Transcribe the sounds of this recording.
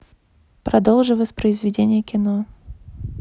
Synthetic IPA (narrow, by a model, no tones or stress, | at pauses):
pɾɐd̪olˠʐɨvəsʲpɾəɪzvʲɪdʲenʲɪjəkʲɪno